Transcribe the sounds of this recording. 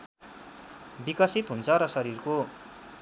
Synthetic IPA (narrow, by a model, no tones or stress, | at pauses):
bikʌsit̪ɦunt͡sʰʌɾʌsʌɾirko